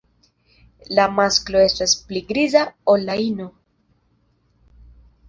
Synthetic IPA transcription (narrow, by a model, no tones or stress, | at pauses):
lamasklo̞e̞staspliɡɾizaolːaino̞